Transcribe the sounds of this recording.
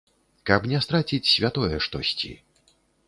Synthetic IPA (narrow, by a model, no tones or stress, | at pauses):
kɐpnʲɛst̪ɾat͡sʲit͡sʲsʲvʲat̪ɔjɛʂt̪ɔ̰sʲt͡sʲḭ